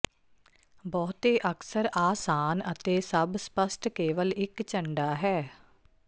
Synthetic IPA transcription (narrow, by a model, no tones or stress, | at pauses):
bɔːt̪eːʔəksəɾaːsaːnət̪eːsəbspəsʈkeːʋəlɪkt͡ʃəɳɖaːɦɛː